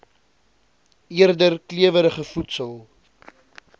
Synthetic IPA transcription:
iərdərkliəvəɾəχəfutsəlˠ

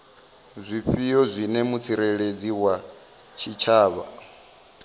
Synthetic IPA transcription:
zʷiɸijɔzʷinɛmut͡sʰiɾɛɺed͡ziwa | t͡ʃʰit͡ʃʰaːβa

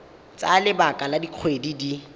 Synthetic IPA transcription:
t͡salɪbakʼaladiq͡χʰwedidi

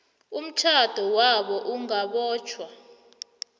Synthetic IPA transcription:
um̩tʰad̥ʱɔwaɓɔʔuŋaɓɔːt͡ʃʰwa

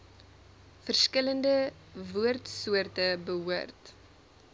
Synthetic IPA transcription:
fərskələndə | vuərtsuərtəbəɦuərt

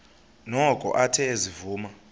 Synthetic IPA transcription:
nɔkʼɔ̰ʔatʰɛzivuːma

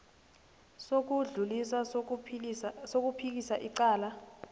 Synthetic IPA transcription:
sok̬uɮulisa | sok̬upʰik̬isaʔiǀaːla

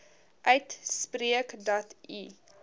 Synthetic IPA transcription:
ʔœɥtspriəkdɔtḭ

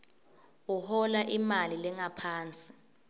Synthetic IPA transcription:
uhɔlaʔimalilɛŋapʰaːnt͡sʼi̥

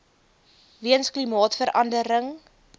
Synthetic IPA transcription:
viənsklimɑːtfəɾɐndəɾəŋ

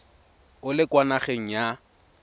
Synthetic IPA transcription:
ʊlɪkwanaχeŋ̩ja

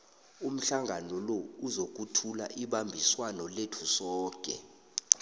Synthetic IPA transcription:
um̩ɬaŋʱanɔlɔuzok̬ʼutʰula̰ʔiɓambʱiswanɔletʰusɔːkʼɛ̰

